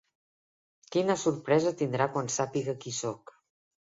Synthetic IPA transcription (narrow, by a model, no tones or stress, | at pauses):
kinəsuɾpɾɛzət̪ind̪ɾakwansapiɣəkisɔk